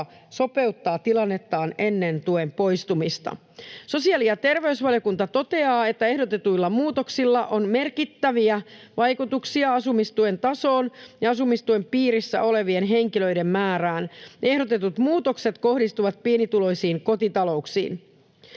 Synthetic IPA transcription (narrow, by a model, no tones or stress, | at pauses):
so̞pe̞ut̪ːɑːt̪ilɑnːe̞t̪ːɑːne̞nːent̪uempo̞jst̪umist̪ɑ̰ | so̞siɑliɑt̪e̞rʋe̞ysʋɑljo̞kunt̪ɑt̪o̞t̪e̞ɑːe̞t̪ːæe̞hdot̪e̞t̪uilːɑmuːt̪oksilːɑʔo̞nme̞rkit̪ːæʋiæ | ʋɑjkut̪uksiɑɑsumist̪ue̞nt̪ɑso̞ːnjɑɑsumist̪ue̞mpiːɾisːæ̰ʔo̞le̞ʋie̞nɦe̞ŋkilø̞jde̞mmæːɾæːnʔe̞hɾo̞t̪e̞t̪ut̪muːt̪o̞kse̞t̪ko̞hdist̪uʋɑt̪̚piːnit̪ulo̞jsiːŋko̞t̪it̪ɑlo̞uksḭːn